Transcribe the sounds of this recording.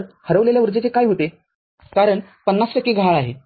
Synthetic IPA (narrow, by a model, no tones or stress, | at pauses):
ɾhəɾəʋleljaʋuɾd͡zet͡sekajɦot̪e | kaɾəɳpənːasʈəkːiːɡʱaɭaɦe